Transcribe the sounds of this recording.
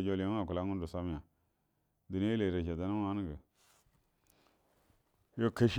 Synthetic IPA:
d͡ʒo˨li˨a˦a˨ku˨la˦ŋu˦du˨sa˦m˦ja˨ | di˨n˦e˦le˨ɾa˨ʃa˨da˦na˦ma˦n˦ɡə˨ | jo˨ka˨ʃ

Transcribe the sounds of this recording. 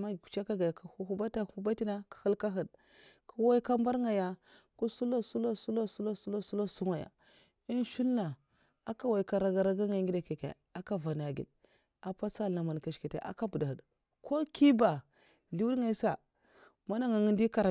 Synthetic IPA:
ma˦˨u̥˨t͡ʃa˦ka˦ɡa˨ja˨ka˨u˦hu˦ba˦ta˦˨hu˦ba˦ti˦na˦kḁ˨hu˦lka˦ɦə˨d | ku˨wa˦ka˦mba˦ɾŋa˨ja˨ | ku˦su˦lo˦su˦lo˦su˦lo˦su˦lo˦su˦lo˦su˦lo˦su˦ŋa˨ja̰˨ | i˦nʃu˦lna˨ | a˦ka˦wa˨i˨ka˨ɾa˨ɡa˨ɾa˦ɡa˦ŋa˨˦ŋɡi˦da˨ke˨kḛ˨ | a˦ka˦va˨na˨ɡḭ˨l | a˨pa˦sa˦lna˨ma˨n˨ka˨ʃki˨tḛ˨˦ʔa̰˦ka˦bu˨da˨hə˨d | ko˦ki˦ba˨ | ɮi˦wu˦dŋa˨˦sa˨ | ma˦na˦ŋa˨ŋi˦ndi˦ka˨ɾa˨

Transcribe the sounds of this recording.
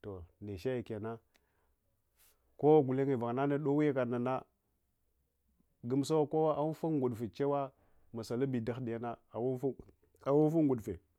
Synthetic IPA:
to˨ne˨ʃa˦ja˨ka˨na˦ | ko˦wa˦ɡu˨le˦ŋe˨va˨ŋ˨na˦na˦ɗo˦wi˦ja˦ka˨na˨na˦ | ɡu˦m˦sa˦wa˦ko˦wa˦ʔa˦fu˦ŋɡu˨ɗfe˨t͡ʃe˦wa˦ | ma˨sa˨la˦bi˨da˦xdi˨ja˦na˦a˨wu˦fu˦ | a˨wu˦fu˦ŋɡu˨ɗfe˨

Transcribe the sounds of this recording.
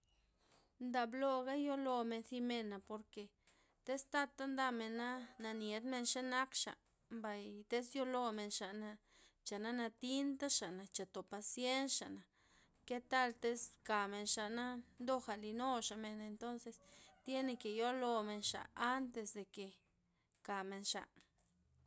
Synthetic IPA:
nd̪a˧blo˧ɡa˦jo˦lo˧me˧nsi˧me˧na˨po˨ɾke˨ | t̪e˦st̪a˦t̪a˦nd̪a˧me˨nːa˦na˧nje˧˦d̪me˧nʃe˦na˦kʃa̰˨ | mba˨jt̪e˦sjo˦lo˧me˨nʃa˨na˧ | t͡ʃa˨na˦na˧t̪i˦nt̪a˦ʃa˨na˨t͡ʃa˨t̪o˨pa˧sje˦nʃa̰˨ʔna˨ | ke˦t̪a˦lt̪e˦ska˨me˨nʃa˨na˦nd̪o˦xa˨li˧no˦ʃa˨me˧ne˧nt̪o˦nse˧st̪je˦ne˧ke˨jo˦lo˧me˧nʃa̰˨a˦nt̪e˧sd̪e˨ke˨ | ka˨me˧nʃa̰˨

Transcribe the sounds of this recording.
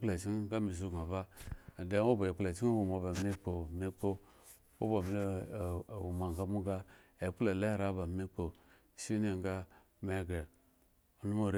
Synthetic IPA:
le˨t͡ʃi˦n˦ɡa˦mi˨z̬u˦˨ɡa˨ba˦˨de˦o˦bo˨e˨k͡ple˨t͡ʃi˦n˦wu˨ma˨ba˨me˦k͡po˨me˦k͡po˦ | wo̰˦bo˨mi˨˦˨ | wu˨ma˨ŋɡa˦mu˦ɡa˦e˨k͡pu˦le˨le˦ɾa˦ba˨me˦k͡po˨ | ʃi˦ne˦ŋɡa˦ | me˦˨ɡe˨ | o˨˦nu˦mo˦ɾe˦

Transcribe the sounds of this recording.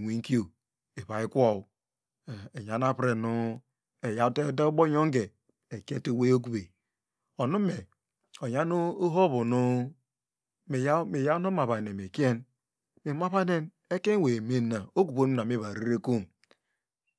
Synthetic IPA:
wi˦ŋ̩˦ki˦o˨ | e˨βa˨i˦kʷo˦˨w | e˨ɲ˨a˨n˦a˦pɾe˨nu˦ | e˨ja˦te˦da˦ɡ͡bo˦ɲo˦ŋ˦ɡe˨ | e˨ke˦to˦˨we˦o˦k̬u˨be˨ | o˨nu˦me˨ | o˨ɲa˦nu˦o˦ɦo˦βu˨nu˦ | me˨ja˦me˨ja˦no˦ma˨βa˨ne˨me˨ki˦e˦n | me˨ma˦βa˦ne˦n | e˦ke˦we˨me˦na˨o˦ku˨bo˦nu˦na˨mi˦βa˨ɾi˦ɾe˦ku˦m

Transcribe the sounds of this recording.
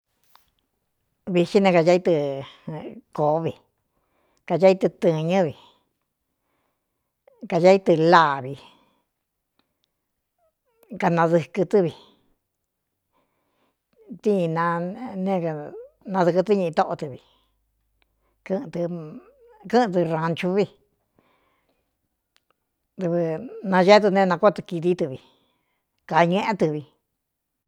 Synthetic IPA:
βi˧ʃi˦nẽ˧ka˧a˧˦i˦˧t̪ɨ˧ | ko˨˦βi˨ | ka˧ja˦i˧t̪ɨ˧t̪ɨ̃˧ɲɨ̃˦βi˨ | ka˧ja˧˦i˦t̪ɨ˧la˦˨βi˧ | ka˧nã˧ðɨ˧kɨ˧t̪ɨ˦βi˨ | t̪i˦˧nã˧nẽ˦˧ka˨ | nã˧ðɨ˧kɨ˧t̪i˦ɲĩ˧ʔĩ˧t̪o˦ʔo˧t̪ɨ˧βi˧ | kɨ̃˦˧t̪ɨ˧ | kɨ̃˦˧t̪̬ɨ˧ɾã˧nt͡ʃu˧βi˧ | t̪ɨ˧βɨ˧nã˧ʒe˦t̪̬ɨ˧nẽ˧nã˧ko˦t̪ɨ˧ki˧ði˦t̪ɨ˧βi˧ | ka˨ɲẽ˦ʔẽ˦t̪ɨ˧βi˧

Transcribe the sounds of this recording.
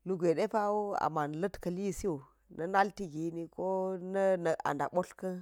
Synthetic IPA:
lu˨ɡʷe˨de˦pa˦wo˦a̰˨ma˨n˨lə˦tkɐ˨li˦˨si˦wo˨ | nɐ˦na˦lti˦ɡi˦ni˦ko˦nɐ˦nə˨a̰˨nda̰˨ɓo˦ɬkɐ˦

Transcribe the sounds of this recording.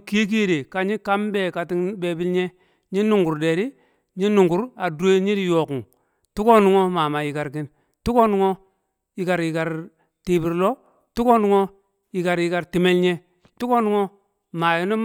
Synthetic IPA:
ke˦k̬i˦˨de˨ka˨ɲi˦ka˦mbe˦˨ka˨ti˦ŋbe˦bi˦lɲe˦ | ɲi˦nu˨ŋɡu˨ɾde˨ɾi˦ | ɲi˦nu˨ŋɡu˨˦ɾa˨du˦e˦ɲi˦di˨jo˨ku˨ŋ | tu˦ko˦nu˦ŋo˦ma˨ma˨ji˨ka˨ɾki˦n | tu˦ko˦nu˦ŋo˦ | ji˨ka˨ɾji˨ka˨ɾ | ti˨bi˨ɾlo˦ | tu˦ko˦nu˦ŋo˦ | ji˨ka˨ɾji˨ka˨ɾti˨me˦lɲe˦ | tu˦ko˦nu˦ŋo˦ | ma˨ji˦ni˦

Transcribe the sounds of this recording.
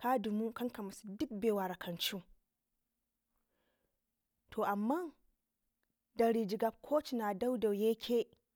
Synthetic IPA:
ka˦du˨mu˦kɐ˦ŋka˨mɐ˨˦su̥˦dʊ˦k̚beː˨wa˨ɾɐ˨kʰɐ˨nt͡ʃu˦ | tʰoː˨ʔa˨mːa˦ŋ | dɐ˨ɾi˨d͡ʒɪ˨ɡa˨p̚kʰoː˦t͡ʃnaː˨da˦wda˨wje˦kʲʰeː˦

